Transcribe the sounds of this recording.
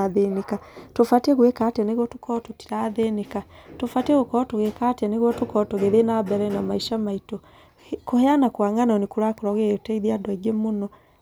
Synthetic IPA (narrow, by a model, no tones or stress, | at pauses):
aðenekatofateɣwekataneɣwɔto̥kɔtoti̥ɾaːðenekatofateɣokɔtoɣekatianeɣwɔtokɔtoɣeðenabɛɾɛnamaiʃamaito | koheanakwaŋanaonekoɾakoɾɔɣetɛiðiadɔiɡemonɔ